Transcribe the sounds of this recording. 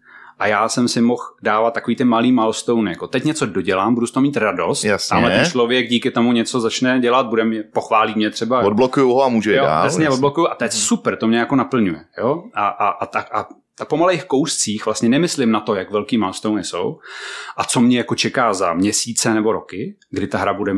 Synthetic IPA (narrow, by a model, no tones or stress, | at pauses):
ʔajaːsɛmsɪmoxdaːvat̪ːakoviːt̪ɪmaliːmalst̪ownɪjako̞t̪ɛcɲɛt͡so̞doɟɛlaːmbudust̪oɦomiːt̪ɾado̞st̪jasaːmlɛɛnt͡ʃlovjɛɡ̚ɟiːkɪt̪o̞muɲɛt͡sozat͡ʃnɛɟɛlat̪̚budɛmɲɛpoxvaːliːmɲɛt̪r̥ɛbaod̚blokujuɦoamuːʒɛjoda̰ːjasɲɛvod̪̚blokujuʔat̪ojɛsupɾ̩t̪o̞mɲɛjako̞napl̩ɲujɛjoʔaʔaʔat̪aʔa | t̪apomalejxko̞wst͡siːxvlast̪ɲɛnɛmɪslɪmnat̪o̞jakvɛlkiːmalst̪ownɪso̰wʔat͡so̞mɲɛjako̞t͡ʃɛkaːzamɲɛsiːt͡sɛnɛbo̞ɾo̞kɪ | ɡdɪt̪aɦɾabudɛ